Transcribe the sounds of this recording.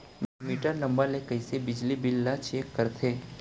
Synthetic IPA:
mɛmiːʈəɾnɐ̃mbəɾlekəisebɪd͡ʒlibɪlːat͡ʃeːkːəɾt̪ʰeː

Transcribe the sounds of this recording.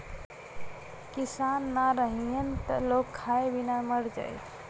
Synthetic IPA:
kisanːaɾəɦiənt̪əlokʰːaebinaməɽd͡ʒa̰jt̪ʰ

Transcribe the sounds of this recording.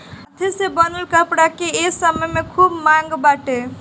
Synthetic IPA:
ət̪ʰesebənəlkəpɽakeesəməjmekʰubmaŋɡbaʈe

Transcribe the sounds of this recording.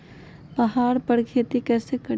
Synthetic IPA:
pɐɦaːɾpɐɾkʰeːt̪ikɛːsekɐɽ

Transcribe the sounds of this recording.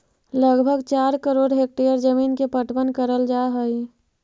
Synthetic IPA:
ləɡbʱəɡt͡ʃaːɾkəɾoːɖɦek̚ʈejəɾd͡ʒəmiːnkepəʈbənkəɾəld͡ʒaːɦəi

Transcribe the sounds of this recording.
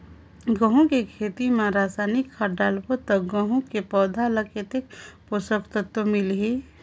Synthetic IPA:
ɡə̃ɦũkekʰeːt̪imãɾaːsaːnɪkʰːaɖaːlpot̪ɐkɡə̃ɦũkepɔːd̪ʱaləkʰet̪ek̚posəkt̪ət̪omɪlɦe

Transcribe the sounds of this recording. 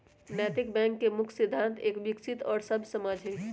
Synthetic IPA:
nɛt̪ik̚bɛ̃ːŋkːemʊkʰsid̪ʱːãnt̪ʰeːkʋɪksit̪ɔːɾsəbʱsəmad͡ʒʱɦɛ

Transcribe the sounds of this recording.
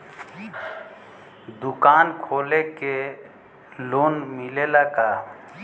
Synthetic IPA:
d̪ʊkaːnkʰoːleke | loːnmilelaka

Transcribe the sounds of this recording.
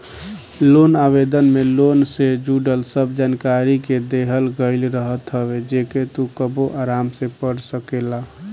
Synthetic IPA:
lonabed̪ənmelonsed͡ʒuɖəlsəbd͡ʒankaɾiked̪eɦəlɡəɪlɾəɦət̪ɦəbed͡ʒeket̪ukəboʔaɾamsepəɽsəkela

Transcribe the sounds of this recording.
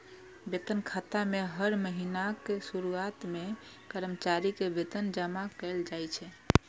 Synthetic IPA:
bet̪ənkʰat̪ameɦəɾməɦinakesuɾuat̪me | kəɾəmt͡ʃaɾikebet̪ənd͡ʒəmakəɪld͡ʒajt͡ʃʰɛ

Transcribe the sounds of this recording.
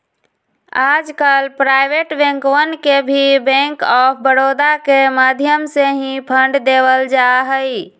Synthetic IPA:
ad͡ʒkalpɾajbeʈbẽŋkwənkebʱibɛ̃ŋkɔpʰbəɽod̪akemad̪ʱjəmseɦĩpʰəɳɖd̪ebəld͡ʒaɦəi

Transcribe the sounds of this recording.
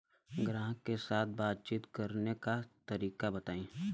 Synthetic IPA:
ɡɾãːɦkesaːt̪̚ʰbaːt̪̚t͡ʃiːt̪kɐɾnekat̪ɐɾiːkabɐt̪aːĩː

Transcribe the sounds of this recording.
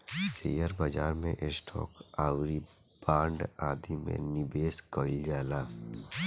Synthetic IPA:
sḛːjəɾbaːd͡ʒaːɾmẽʔɪsʈʰɔ̰ːkaːwɾi | b̥aːɳɖaːd̪imḛ̃nɪbeːskəld͡ʒaːlaː

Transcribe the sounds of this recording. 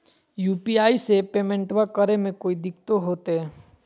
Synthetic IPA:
juːpiaːisepeːmẽɳʈʋakəɾemẽkoːid̪ɪkt̪oɦoːt̪eɦɛ

